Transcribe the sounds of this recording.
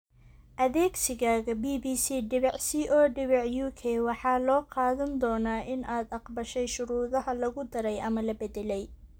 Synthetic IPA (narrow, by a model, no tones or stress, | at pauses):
ʔɐðɛːɡsɪɣaːɣɐbiːbiːsiːɖɪβɛʕsiːʔɔːɖɪβɛʕjuːkʰɛːwɑħɑːlɔːqɑːðɐnd̪ɔːnaːʔɪnʔaːd̪ɑqbɐʃɛjʃʊɾuːðɐɦɐlɐɣʊd̪ɐɾɛjʔɐmɐlɐbɛd̪ɛlɛj